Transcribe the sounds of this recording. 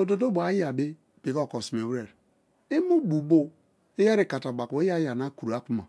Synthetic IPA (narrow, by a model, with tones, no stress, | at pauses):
o˨do˨do˦bʷa˨˦ja˨bi˦ | pi˨ko˦˨kɔ˨si˨m˨e˨wɾe˨ɾ | i˦mu˦bu˨bo˦ | i˦ja˦ɾi˦˨ka˨ta˨ba˨ke˦ja˦ja˨na˦ku˨u˨a˦ku˦ma̰˨